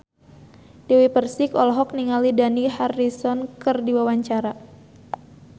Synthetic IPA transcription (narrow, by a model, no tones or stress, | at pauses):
d̥ewipərsikɔlɦɔk̚niŋalidaniharisɔnkɨrdiwawaɲt͡ʃaɾa